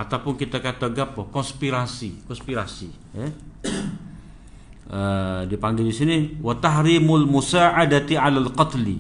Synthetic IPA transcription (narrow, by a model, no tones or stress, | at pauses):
at̪awpʊnkit̪akat̪aɡapːɔkɔnspiɾasikɔnspiɾasi | ja | ədipaŋɡildisiniwat̪ahɾimʊlmusaʔadat̪iʕalalqɑt̪li